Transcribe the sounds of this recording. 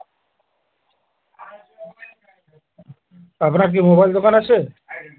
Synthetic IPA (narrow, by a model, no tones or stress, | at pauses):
apnaɾk̬imobajld̪okanat͡ɕʰe